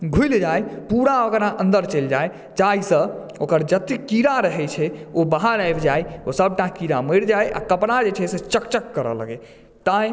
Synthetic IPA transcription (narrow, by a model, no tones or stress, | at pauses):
ɡʱujld͡ʒajpuɾaokɾaʔə̃nd̪əɾt͡ʃəld͡ʒaj | t͡ʃaɦisə̃ | okəɾd͡ʒət̪ikiɾaɾəɦɛt͡ʃʰɛobaɦaɾajbd͡ʒajosəb̚ʱʈakiɾaməɽd͡ʒajʔa̰kəpɽad͡ʒet͡ʃʰɛsẽt͡ʃəkt͡ʃəkːəɾə̰lə̰ɡɛ | t̪a